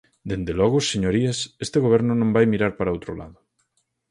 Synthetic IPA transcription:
d̪end̪elɔɣʊseɲoɾiasest̪eɣoβ̞ɛɾnʊnõmbajmiɾaɾpaɾaowt̪ɾʊla̰ðʊ

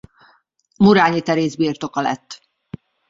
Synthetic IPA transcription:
muɾaːɲit̪ɛɾeːzbiːrt̪o̞kɒlɛ̰t̪ː

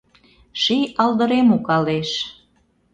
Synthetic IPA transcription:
ʃijɑld̪ə̆ɾemukɑleʃ

